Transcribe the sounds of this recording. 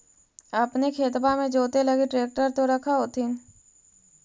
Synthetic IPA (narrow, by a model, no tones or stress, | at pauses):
ɐpnekʰeːt̪bamẽd͡ʒoːt̪elɐɡiʈɾeːk̚ʈəɾt̪oɾɐkʰaɦoːt̪ʰɪn